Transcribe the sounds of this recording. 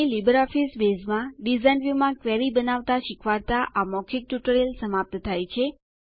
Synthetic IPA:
ilibəɾɔfisbezmãɖizanʋjumãkʋeɾibənaʋt̪aʃɪkʰʋaɾt̪aʔamɔkʰik̚ʈuʈəɾelsəmap̚t̪t̪ʰajt͡ʃʰe

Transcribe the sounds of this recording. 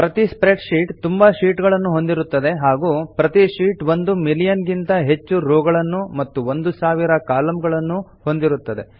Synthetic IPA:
pɾɐt̪ispɾeʈʂiːʈt̪umbɐʃiːʈɡɐɭɐnːuɦo̞nd̪iɾut̪ːɐd̪e̞ɦaːɡuːpɾɐt̪iʃiːʈʋo̞nd̪umilijɐnɡint̪ɐɦe̞t͡ʃːuɾoːɡɐɭɐnːumɐt̪ːuʋond̪usaːʋiɾɐkaːlɐmɡɐɭɐnːu | ho̞nd̪iɾut̪ːɐd̪e̞̰

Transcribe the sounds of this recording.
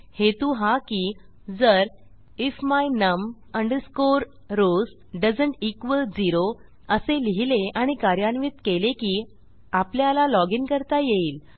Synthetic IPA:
het̪uɦãkiː | d͡zəɾ | ifmajnəm | əɳɖəɾskoɾ | ɾos | ɖəd͡zəɳʈikʋəld͡ziɾo | əseliɦileaɽ̃ikaɾjanʋit̪kelekiː | apljalalɔɡiŋkəɾt̪ajeiːl

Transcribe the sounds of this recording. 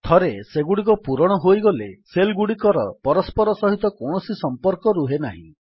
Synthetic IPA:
t̪ʰɔɾeseɡuɽik̬ɔpuɾɔɽ̃ɔɦojɡɔleselɡuɽikɔɾɔpɔɾɔspɔɾɔsɔɦit̪ɔkoɳ̃ɔsisɔmpɔɾkɔɾuɦenaɦḭ̃

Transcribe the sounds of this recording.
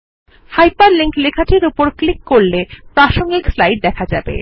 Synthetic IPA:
hajpaɾliŋklekʰaʈʰiɾupoɾklikːoɾlepɾaʃoŋɡikslajʈ̚d̪ɛkʰad͡ʑabḛ

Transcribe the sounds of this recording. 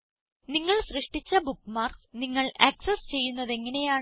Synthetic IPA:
niŋːɐɭsrɨʂʈit͡ɕːɐbukːmaːrksniŋːɐɭɐksɐst͡ɕe̞jːunːɐðe̞ŋːɐne̞jaː

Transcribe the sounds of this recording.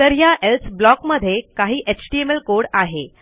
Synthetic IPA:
t̪əɾjaʔelsblɔkməd̪ʱːjekaɦiːʔet͡ɕʈiemelkoɽaɦe

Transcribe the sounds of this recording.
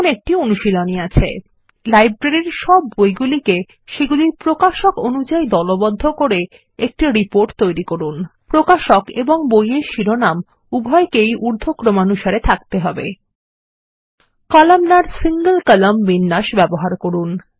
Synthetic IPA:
nek̚ʈionuʃiloniat͡ɕʰḛ | lajbɾeɾiɾʃɔbːojɡulike | ʃeɡuliɾpɾokaʃokonud͡ʑaid̪ɔlobod̪ʱːokoɾe | ek̚ʈiɾipoɾʈt̪ojɾikoɾunpɾokaʃokeboŋbojeʃiɾonam | ubʱɔekejʔuɾd̪ʱokɾomanuʃaɾet̪ʰakt̪eɦɔbḛ | kalamnaɾsiŋɡəlkəlambinːaʃbɛboɦaɾkoɾun

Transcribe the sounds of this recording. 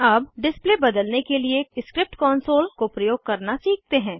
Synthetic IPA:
ɐbɖɪspleːbɐd̪əlnekelieɪskɾɪp̚ʈkɔːnsoːlkopɾɐjoːɡ̚kɐɾnasiːk̚t̪eɦɛ̃ː

